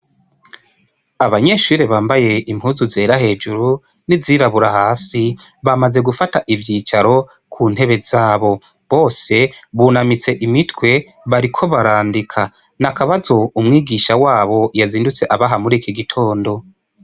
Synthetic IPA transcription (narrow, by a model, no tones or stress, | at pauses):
aβaɲe̞ʃuːɾeβaːmbaje̞imhuːzuze̞ːɾahe̞ːd͡ʒuɾu | niziːɾaβuɾahaːsi | βamaze̞ɡufataʔivjiːt͡ʃaɾo̞ | kʰuːn̥he̞βe̞zaːβo̞ | βo̞ːse̞βunamit͡se̞ʔimitwe̞ | βaɾikʰo̞βaɾaːndikʰa | nakaβazo̞umŋiːɡiʃawaːβo̞jaziːndut͡se̞ʔaβaɦamuɾikiɡitʰo̞ːndo̞